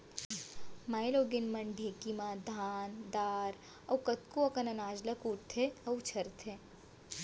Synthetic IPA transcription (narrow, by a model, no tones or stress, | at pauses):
maːjloːɡɪnmɐɳɖʱeːkimãːd̪ʱaːnd̪aːɾ | ɐwkɐt̪̚kuɐkɐnɐnaːd͡ʒlɐkuːʈ̚t̪ʰeɐwt͡ʃʰɐɾt̪ʰeː